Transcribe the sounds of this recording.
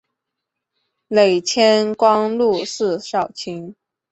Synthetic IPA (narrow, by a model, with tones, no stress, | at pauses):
le˨˩ɪt͡ɕʰjɛ˥nkwɑ˥ŋlu˥˧ʂɹ̩˥˧ʂɑ˥˩ʊt͡ɕʰi˧˥ŋ